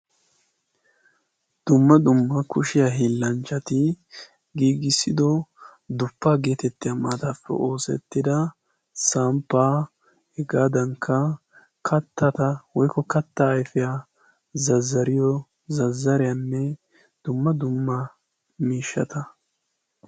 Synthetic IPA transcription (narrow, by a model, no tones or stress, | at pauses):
d̪̥ʊmːɐd̪ʊmːɐkʊʃɪjaɦiːlːɐnt͡ʃːɐt̪ɪ | ɡiːɡɪsːɪd̪ɔ | d̪ʊpːaːɡe̞ːt̪ɛt̪ːɪjamaːt̪afːɛ̰ʔo̞ːsɛ̰t̪ːɪd̪ɐ | saːmpːaː | hɛɡaːd̪ɐŋkʰːɐ | kʰɐt̪ːɐt̪ɐwɔjkɔkɐt̪ːɐːjfɪja | zɐzːɐɾɪjɔ | zɐzːɐɾɪjanːɛ | d̪̥ʊmːɐd̪ʊmːɐ | miːʃːɐ̰t̪ɐ